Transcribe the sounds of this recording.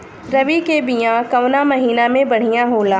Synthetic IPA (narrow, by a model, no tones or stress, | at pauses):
ɾɐʋikebijãkɐʋnamɐɦiːnamẽbɐɽ̤ijãɦoːlaː